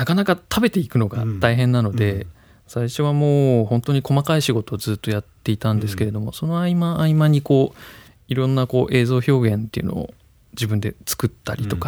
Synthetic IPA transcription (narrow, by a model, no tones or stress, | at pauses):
nakanakat̪ʰabe̞t̪e̞ikɯ̟no̞ɡa̰t̪aiɦẽ̞nːano̞d̪e̞ | saiɕo̞βamo̞ːhõ̞nt̪o̞ɲ̟iko̞makaiɕiɡo̞t̪o̞ːzɨːt̪ːo̞jat̪ːe̞it̪ãnd̪e̞sɨ̥ke̞ɾe̞d̪o̞mo̞so̞no̞aimaːimaɲ̟iko̞ː | iɾõ̞nːako̞ːʔe̞ːzo̞ːço̞ːɡẽ̞nt̪e̞̰iɯ̟̰no̞̰o̰ | d͡ʑibɯ̟̃nd̪e̞t͡sɨ̥kɯ̟t̪ːaɾʲit̪o̞ka